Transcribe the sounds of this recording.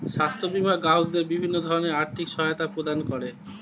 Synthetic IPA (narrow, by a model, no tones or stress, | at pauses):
ʃast̪ʰobimaɡaɦoɡ̚d̪eɾbibʱinːod̪ʱɔɾoneaɾt̪ʰikʃɔɦajot̪apɾod̪ankɔɾe